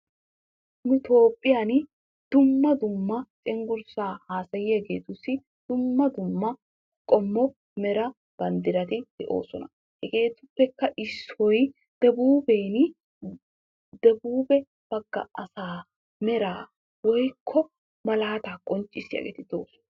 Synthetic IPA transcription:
nʊt̪o̞ːpʼːɪjan | d̪̥ʊmːɐd̪ʊmːɐt͡ʃʼɛŋɡʊɾsaːhaːsɐjɪhɛɡe̞ːt̪ʊsːɪ | d̪̥ʊmːɐd̪ʊmːɐ | kʼɔmːɔ | mɛɾɐ | b̥ɐnd̪ɪɾɐt̪ɪd̪̥ɛʔo̞̰ːsɔnɐ | hɛɡe̞ːt̪ʊpːɛkːɐʔɪsɔj | d̪̥ɛbuːbeːn | d̪ɛbuːbɛ | b̥ɐɡːɐ̰ɐsaː | mɛɾaː | wɔjkʰːɔ | mɐlaːt̪akʼɔnt͡ʃʼːɪsɪjɐ̰ɡḛːt̪ɪd̪o̞̰ːsɔ̥n

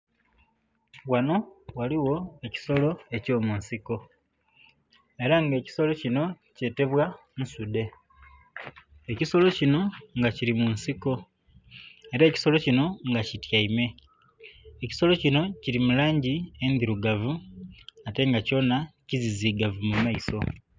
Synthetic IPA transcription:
wano̞waliwo̞e̞ci̥so̞lo̞e̞co̞ːmunsiko̞ | eɾaŋɡe̞ːci̥so̞lo̞cino̞ | ce̞te̞βwa | nusude̞ | ciso̞lo̞cino̞ŋɡaciɾimunsiko̞ | eɾaeci̥so̞lo̞cino̞ŋɡacitjaime̞ | eci̥so̞lo̞cino̞ciɾimulaːɲɟie̞ndiɾuɡavu | ate̞ŋɡaco̞naciziziɡavumumaiso̞

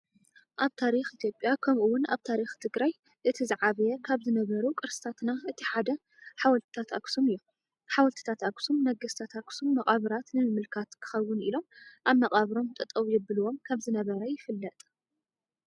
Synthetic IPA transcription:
ʔaβt̪ʰaɾixʔit̪ʰjopʼjakʰɐmʔuwʊna̰βt̪ʰaɾixt̪ʰɨɡɾaj | ʔɨt̪ʰizɨʕaβjɛkʰaβzɨnɐβɐɾukʼɨɾsɨ̥t̪ʰat̪naʔɨt̪ʰiħad̪ɐ | ħawɐlt̪ʰɨ̥t̪ʰat̪a̰ksumɨjːu | ħawɐlt̪ʰɨ̥t̪ʰat̪aksumːɐɡɐst̪ʰat̪aksumːɐχʼaβɾat̪nɨmɨmːɨlkʰat̪kʰɨ̥xɐwːʊnilo̞mʔaβmːɐkʼaβɾo̞mt̪ʼɨt̪ʼɐβjɛbɨlɨwo̞mkʰaβzɨnɐβɐɾɐjɪfɨlːɐt̪ʼ

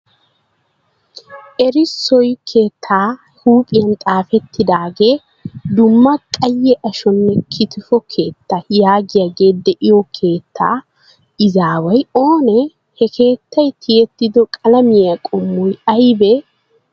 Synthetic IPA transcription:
ʔɛɾɪsːɔjkʰeːt̪ʰːaː | huːpʼɪjɐnt̪ʼaːfɛt̪ːɪd̪aːɡe̞ː | d̪ʊmːɐkʼɐjːɛʔɐʃɔnːɛkʰɪt̪ɪfɔkʰe̞ːt̪ːajaːɡɪjaɡe̞ːd̪ɛʔɪjɔkʰe̞ːt̪ːaː | ɪzaːwɐjo̞ːnɛ | hɛkʰe̞ːt̪ːɐjt̪ʰːɪjɛt̪ːɪd̪ɔkʼɐlɐmɪjakʼɔmːɔjɐjbɛ

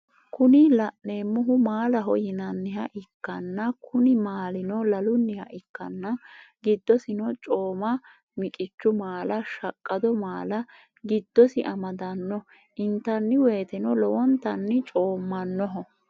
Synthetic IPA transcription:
kʊnɪlɐʔneːmːʊɦʊmaːlɐɦɔjɪnɐnːɪhɐʔɪkːɐnːɐkʰʊnɪmaːlɪnɔlɐlʊnːɪhɐʔɪkːɐnːɐɡɪd̪ːɔsɪnɔt͡ʃʼo̞ːmɐ | mɪkʼɪt͡ʃːʊmaːlɐʃɐkʼːɐd̪ɔmaːlɐ | ɡɪd̪̥ːɔsɪʔɐmɐd̪ɐnːɔ | ʔɪnt̪ːɐnːɪweːt̪ɛnɔlɔwɔnt̪ːɐnːɪt͡ʃʼo̞ːmːɐnːɔɦɔ

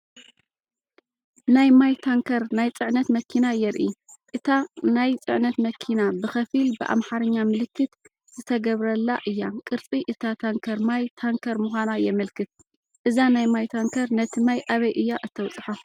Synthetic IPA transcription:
najmajt̪ʰaŋkʰɐɾnajt͡sʼɨʕnɐt̪mɐkʰinajɛɾʔiʔɨt̪ʰanajt͡sʼɨʕnɐt̪mɐkʰinabɨxɐfilbɨʔa̰mħaɾɐɲːamɨlɨkʰːɨt̪ | z̥ɨt̪ʰɐɡɐβɾɐlːaʔɨjːakʼɨɾt͡sʼiʔɨt̪ʰat̪ʰaŋkʰɐɾmajt̪ʰaŋkʰɐɾmuxʷanajɛmɐlkʰɨt̪̚ | ʔɨzanajmajt̪ʰaŋkʰɐɾnɐt̪ʰɨmajʔaβɐjʔɨjːaʔɨt̪ʰːɐwt͡sʼħo

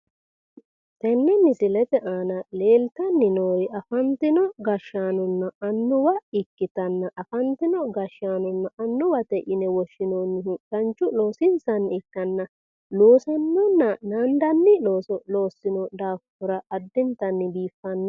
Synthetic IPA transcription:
t̪ɛnːɛmɪsɪlɛt̪ɛʔaːnɐle̞ːlt̪ɐnːɪnoːɾɪʔɐfɐnt̪ɪnɔɡɐʃaːnɔnːɐɐnːʊwɐɪkːɪt̪ɐnːɐʔɐfɐnt̪ɪnɔɡɐʃaːnɔnːɐʔɐnːʊwɐt̪ɛʔɪnɛwɔʃːɪnonːɪhʊt̪ɐnt͡ʃːʊlo̞ːsɪnsɐnːɪkːɐnːɐ | loːsɐnːɔnːɐnand̪ɐnːɪloːsɔlo̞ːsːɪnɔd̪aːfʊɾɐʔɐd̪ːɛnt̪ɐnːɪbiːfːɐnːɐ

